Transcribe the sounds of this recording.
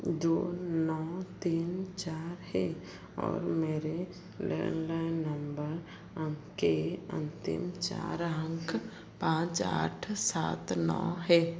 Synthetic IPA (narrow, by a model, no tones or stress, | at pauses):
d̪oːnɔːt̪iːnt͡ʃaːɾɦɛ | ɔːɾmeːɾe | lɛ̰ːnlaːɪnːəmbəɾ | əmkeə̰̃nt̪ɪ̰mt͡ʃa̰ːɾɦə̃ŋk | pãːt͡ʃa̰ːʈʰsa̰ːt̪nɔ̰ːɦɛ